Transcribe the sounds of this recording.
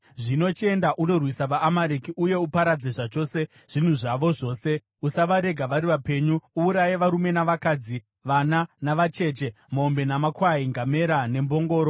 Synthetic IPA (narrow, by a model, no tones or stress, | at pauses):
ʐino̞t͡ʃe̞ndaʔuno̞rwisaʋaʔːmaɾekiuje̞upaɾad͡zeʐat͡ʃo̞ːse̞ | ʐ̥in̤uʐaʋo̞ʐo̞ːse̞ | usaʋaɾe̞ɡʱaʋaɾiʋape̞ɲuuːɾajeʋaɾume̞naʋakaːd͡zi | ʋananaʋat͡ʃe̞ːt͡ʃe̞ | moombe̞namakwaiŋɡame̞ɾane̞mbo̞ŋɡo̞ːɾo